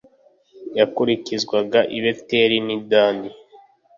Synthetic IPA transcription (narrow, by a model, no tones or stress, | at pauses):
jakuɾicizɡwaɡaʔiβeteɾinidaːndi